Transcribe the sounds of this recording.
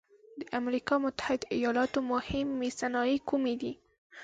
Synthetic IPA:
d̪əʔamɾikɑmʊt̪ːḁhɪd̪ijɑlɑt̪omʊhɪmːesanɑjikumed̪i

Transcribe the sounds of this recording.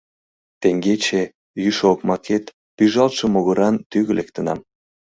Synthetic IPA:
t̪eŋɡet͡ɕe | jyʃokmɑket̪ | pyʒɑlt̪ʃəmoɣə̆ɾɑnt̪yɣə̆lek̚t̪ə̆nɑ̰m

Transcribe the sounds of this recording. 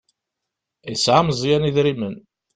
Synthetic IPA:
jəsʕamzˤjæniðɾimən

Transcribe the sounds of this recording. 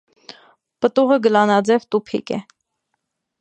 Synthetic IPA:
pət̪uʁəɡəlɑnɑd͡zɛvt̪upʰḭkɛ̰

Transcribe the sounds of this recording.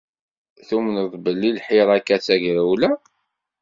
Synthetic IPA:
θumənəðˤbəlːilħiɾˤækːæt͡sːæʝɾæwlæ

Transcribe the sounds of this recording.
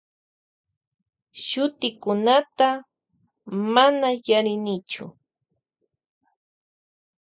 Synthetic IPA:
ʃʊt̪ɪkʊnat̪a | manajaɾɪnɪt͡ʃʊ̰

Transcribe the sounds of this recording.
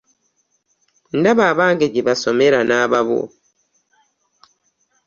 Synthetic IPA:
ndaβaːβaːŋɡeɟiβaso̞me̞ɾanaːβaβo̰

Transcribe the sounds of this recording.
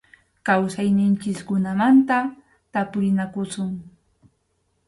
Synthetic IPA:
kawsajnɪnt͡ʃɪskʊnamant̪a | t̪apʊɾɪnakʊsʊŋ

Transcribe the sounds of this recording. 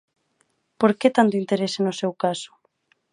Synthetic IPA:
poɾket̪ant̪̬oint̪eɾesenosewkaso̥

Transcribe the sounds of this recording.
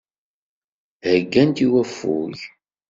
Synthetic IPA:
həɡːænt̪iwæfːṵʝ

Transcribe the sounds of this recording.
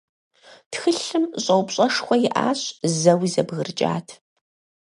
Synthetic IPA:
txɨɬɨmɕʼɐwpɕʼɐʂxʷɔjɪʔa̰ːɕzɐwizɐbɣɨrt͡ʃʼa̰ːtʰ

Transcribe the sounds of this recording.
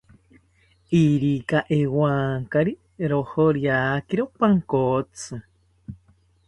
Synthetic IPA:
iɾikaʔewaːŋkaɾi | ɾohoɾjakiɾopaŋkot͡sʰɨ

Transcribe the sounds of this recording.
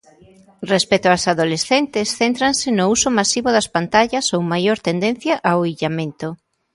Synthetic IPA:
respɛt̪oasaðolesθent̪ɪsθent̪ɾansɪnʊusomasiβoðɐspant̪aʎɐsowmajoɾt̪end̪ẽn̟θjaʔaoiʎamẽnt̪o

